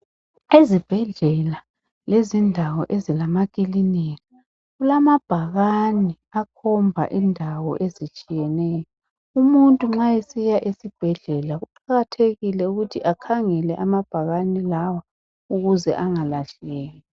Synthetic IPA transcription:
ezib̥ʱɛɮɛla | lezindʱawɔʔezilamakʼilinika | ɣulamab̥ʱaɣani | akʰɔmbʱa̰ʔindʱawɔ̰ʔezit͡ʃʼijɛnɛːjɔ | umuntʼuŋ͡ǁajesijaʔesib̥ʱɛɮɛlaɣuǃaɣatʰeɣilɛuɣutʰiʔakʰaŋɛlɛʔamab̥ʱaɣanilawa | uɣuzɛ̰ʔaŋalaɬɛɣɛːjɔ

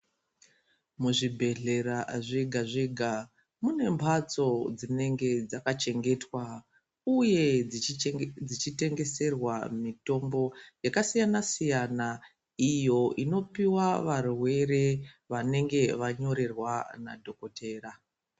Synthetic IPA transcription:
muʐibʱe̞ɮe̞ɾaʐiɡʱaʐiɡʱa | mune̞mpʰat͡so̞d͡zine̞ŋɡe̞d͡zakat͡ʃe̞ŋɡe̞twa | uje̞ | d͡zit͡ʃite̞ŋɡe̞se̞rwamito̞mbo̞jakasijanasijana | ijo̞ino̞piwaʋarwe̞re̞ | ʋane̞ŋɡe̞ʋaɲo̞ɾe̞rwana̰dʱo̞ko̞te̞ːra

